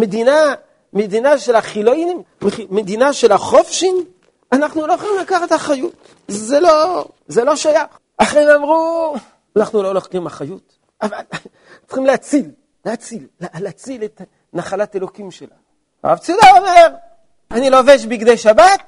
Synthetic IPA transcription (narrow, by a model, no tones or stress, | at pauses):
med̪ina | med̪inaʃe̞laχiloinim | eχimed̪inaʃe̞laχofʃim | anaχnulo̞joχlimlakaχet̪haχajut | zelo̞ | zelo̞ʃajaχ | ʔaχeimamʁu | anaχnulo̞loχimaχajut | aval | t͡sχimleat͡sil | lehat͡silːalːt͡silet | naχalate̞lo̞kimʃela̰ | ʁa̰vt͡sud̪ao̞me̞ʁ | aniloveʃbiɡd̪ejʃabat̚